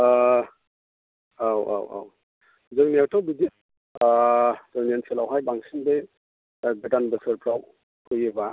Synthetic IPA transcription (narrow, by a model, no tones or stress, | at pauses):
awa̰wa̰w | zɯŋnewtʰawbidi | tɯnenselawɦajbaŋsinbe | ɡɯtanbɐsɯɾpʰɾaw | kʰojeba